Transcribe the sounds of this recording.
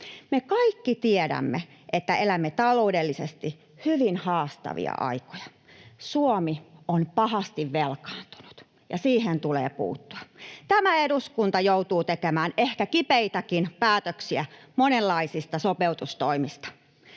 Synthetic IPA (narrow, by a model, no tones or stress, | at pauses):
mekɑikːit̪iedæ̰mːḛ | ʔet̪ːæelæmːet̪ɑloudelːisest̪i | hyʋinhɑːst̪ɑ̰ʋḭɑ̰ʔɑ̰ikojɑ̥ | suomionpɑhɑst̪iʋʋelkɑ̥ːnt̪u̥nu̥t̪ | jɑsiːhent̪ulḛːpṵːt̪ːu̥ɑt̪æmæeduskunt̪ɑjout̪uːt̪ekemæːnehkækipeit̪ɑkinpæːt̪øksiæmonelːɑisist̪ɑsopeut̪ust̪oimist̪ɑ̥